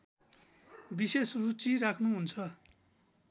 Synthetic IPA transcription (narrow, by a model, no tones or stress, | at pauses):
bisesrut͡siɾakʰnuɦunt͡sʰʌ